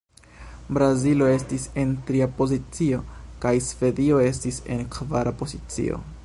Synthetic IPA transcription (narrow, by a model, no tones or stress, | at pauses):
bɾazilo̞e̞stise̞ntɾiapo̞zit͡sio̞kajsve̞dio̞e̞s̬tise̞nkvaɾapo̞zit͡sḭo̞̰